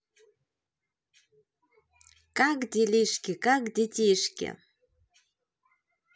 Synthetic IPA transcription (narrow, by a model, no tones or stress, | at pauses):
kakd̪ʲelʲiʃkʲekakd̪et̪ʲeʃkʲḛ